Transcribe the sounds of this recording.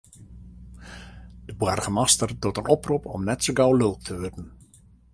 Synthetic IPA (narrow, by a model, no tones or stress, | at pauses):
d̥əbwɛrɣəmastərdotənɔprupʰɔ̰mnɛtsoɡawlølˠt̚tʰəʋødn̩